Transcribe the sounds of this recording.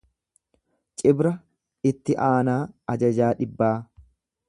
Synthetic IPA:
t͡ʃʼɪbɾɐ | ɪt̪ːɪʔaːnaːɐd͡ʒɐd͡ʒaːᶑɪbːaː

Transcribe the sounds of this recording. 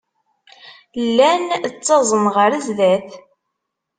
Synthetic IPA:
lːænt͡sːɑzˤənʁəɾəzðæθ

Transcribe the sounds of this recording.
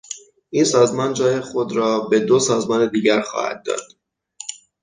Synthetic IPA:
ʔiːnsɒːzmɒːnd͡ʒɒːjexo̞d̪ɾɒːbe̞d̪osɒːzmɒːne̞d̪iːɟæɾxɒ̰ːhæ̰d̪̚ːɒ̰ːd̪̥

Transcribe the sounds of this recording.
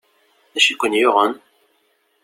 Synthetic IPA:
æʃikʷːənjoʁən

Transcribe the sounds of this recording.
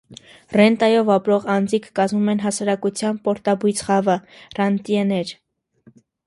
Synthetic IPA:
rɛnt̪ɑjɔvɑpɾɔʁɑnd͡zikʰkɑzmumɛnɦɑsɑɾɑkut͡sʰjɑnpɔɾt̪ɑbujt͡sʰχɑvərɑnt̪iɛnɛɾ

